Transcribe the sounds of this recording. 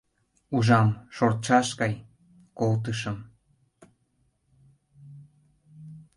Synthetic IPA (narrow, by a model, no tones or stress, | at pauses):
uʒɑmʃoɾt͡ʃɑʃkɑj | kowt̪ɨʃə̆m